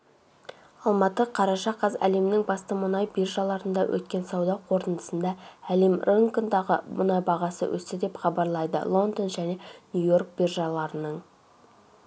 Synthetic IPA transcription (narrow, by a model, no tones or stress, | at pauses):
ɑlˠmɑt̪əqʰɑɾɑʃɑqɑzæ̰le̞mnɪŋbɑst̪əmʊnɑjbirʒɑlˠɑɾənd̪ɑwʔɵ̰t̪̚kʲe̞nsɑwd̪ɑqʰo̞ɾt̪ənd̪əsənd̪ɑælemrʔeŋkond̪ɑʁəmʊnɑjbɑʁɑsə̰wʔɵ̰sɪd̪e̞pχɑbɑɾlˠɑjd̪ə̰lˠo̞nd̪onʒæne̞nʲujo̞rk̚birʒɑlˠɑɾənəɴ